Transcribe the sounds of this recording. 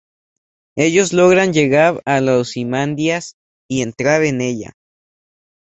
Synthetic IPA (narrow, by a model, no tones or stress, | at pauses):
e̞ʝo̞zlo̞ɣɾanʝe̞ɣaɾalosimand̪jas | ie̞nt̪ɾaɾe̞ne̞ʎa̰